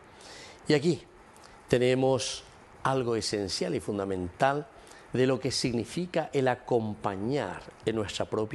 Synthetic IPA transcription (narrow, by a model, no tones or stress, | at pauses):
iaki | t̪e̞nemos | alɣo̞esensjalifund̪amẽ̞nt̪al | d̪e̞lo̞ke̞siɣnifikaʔelako̞mpaɲa̰ɾenːwe̞st̪ɾapɾop